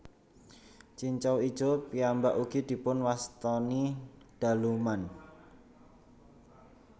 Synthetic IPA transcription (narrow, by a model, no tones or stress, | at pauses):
t͡ʃiɲt͡ʃɔwid̥ʒ̥opiambaʔuɡ̥id̪̥i̤pʊnwast̪ɔnid̪̥a̤luman